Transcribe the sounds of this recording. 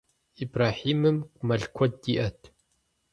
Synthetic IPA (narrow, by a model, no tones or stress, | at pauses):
ibraːħiːmɨmkʷʼmɐɮkʷʰɔd̚diːʔɐtʰ